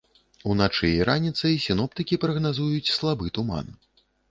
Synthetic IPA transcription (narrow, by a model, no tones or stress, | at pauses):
unat͡ʂɨjiɾanʲit̪sɐjsʲinɔp̚t̪ɨkʲipɾɐɣnazujut͡sʲslˠabɨt̪uma̰n